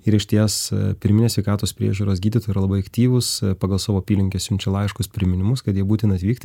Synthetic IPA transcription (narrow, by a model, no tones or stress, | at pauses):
ɪɾɪʃʲt̪ʲiɛspʲɪɾʲmʲɪnʲesʲʋʲɛɪkɑːt̪oːspʲɾʲḭɛʒʲuːɾoːsɡʲiːd̪ʲɪt̪oːjiːɾɐlˠɐbɐɪɐkt̪ʲiːʋʊspɑːɡɐlˠsoːʋoːɐpʲiːlʲɪŋʲkʲesʲʊmʲt͡ʃʲɛlˠɑːɪʃkʊspʲɾʲɪmʲɪnʲɪmʊskɐt̪jiɛbuːt̪ʲɪnɐt̪ʋʲiːkt̪ʲ